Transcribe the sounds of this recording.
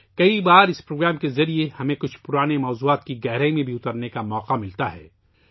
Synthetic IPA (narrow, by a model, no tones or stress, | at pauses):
kɐibaːɾɪspɾoːɡɾaːmkezɐɾiehɐmẽkʊt͡ʃʰpʊɾaːnemɔːzuːaːt̪kiɡɛɦɾaːimẽbʱiʊt̪əɾnekamɔːqamɪlt̪aɦɛ̰ː